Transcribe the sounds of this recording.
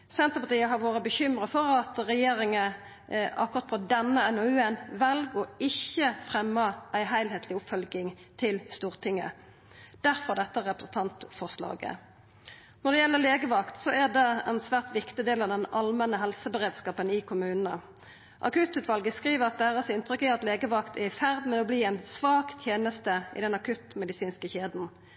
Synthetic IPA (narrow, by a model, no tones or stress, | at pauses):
sɛnt̪əpɑt̪iːəɦɑʁʋoːɾəbəçʏmʁəfɔʁɑt̪ʁɛjeːɾɪŋə | ʔɑ̰kːʊʁɑt̪̚pʰɔd̪ɛnːəɛnɔʉːɛnʋɛlɡoːɪçːəfʁɛmːəʔæɪɦæɪlɦeːt̪ʰlɪʊpfœlɡɪŋt̪ʰɪlst̪uːʁt̪ʰɪŋːə̰ | d̪̥æʁfɔʁd̪ɛt̪ːəʁɛpʁəsn̩t̪ʰɑnt̪fɔʁslɑ̰ːɡə̰ | nɔʁɖ̪ɛjɛlːəleːɡəʋɑkt̪sɔæʁd̪ɛɛnsʋæːʁt̪ʋɪkt̪ɪd̪eːlɑʋd̪ɛnɑlmɛnəɦɛlsəbəʁeːd̪skɑːpənɪkʰʊmʉːnnə̰ | ʔɑ̰kʉt̪ʉːt̪ʋɑlɡəskʁiːʋəʁɑt̪̚d̪æːʁəsɪnt̪ʁʏkːɪɑt̪leːɡəʋɑkt̪ʰɛɪfæʁd̪mɛɔbliːæɪnsʋɑːkt̪ʰjeːnəst̪əɪ̰d̪ɛnɑkʰʉt̪mɛd̪ɪsiːnskəçeːd̪n̩